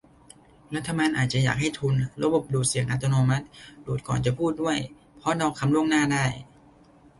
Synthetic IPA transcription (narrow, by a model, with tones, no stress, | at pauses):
ɾa˦˥t̪ʰːa˧maː˧nʔaː˨˩t͡ɕa˨˩ja̰ː˨˩k̚ha˥˩jt̪ʰu˧nɾa˧˥bo˨˩p̚duː˨˩t̪̚si˨˩əŋʔa˦˥t̪ːo˧noː˧ma˦˥t̪̚duː˨˩t̪̚kɔ̰ː˨˩nt͡ɕa˨˩pʰuː˥˩t̪̚du˥˩əj | pʰɔ˦˥na˧wkʰa˧mlu˥˩əŋnaː˥˩daː˥˩j